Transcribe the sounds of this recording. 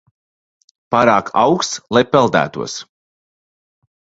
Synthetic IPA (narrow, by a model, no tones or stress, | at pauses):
paːɾaːkʰa̰wkst̪slˠajpɛlˠd̪æ̰ːt̪uɔs